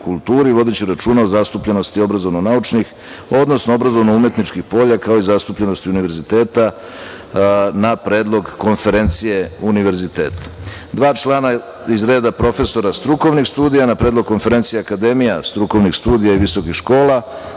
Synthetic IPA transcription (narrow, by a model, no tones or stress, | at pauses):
kulˠt̪uːɾiʋo̞d̪et͡ɕiɾat͡ʃuːnaozast̪upʎe̞no̞st̪io̞bɾazo̞ʋno̞naut͡ʃnix | o̞d̪nosnoo̞bɾazo̞ʋnoume̞t̪nit͡ʃkixpo̞ʎakao̞izast̪upʎe̞no̞st̪iuniʋeɾzit̪e̞ːt̪a | napɾe̞ːd̪lˠo̞ɡko̞nfe̞ɾe̞nt̪sije̞uniʋe̞ɾzit̪e̞ːt̪ḁd̪ʋaːt͡ʃlˠana | izɾe̞ːd̪apɾo̞fe̞so̞ɾast̪ɾuko̞ʋnixst̪uːd̪ijanapɾed̪lo̞ɡ̚ko̞nfe̞ɾe̞nt̪sijeakad̪emijast̪ɾuko̞ʋnixst̪uːd̪ijaiʋiso̞kixʃko̞ːla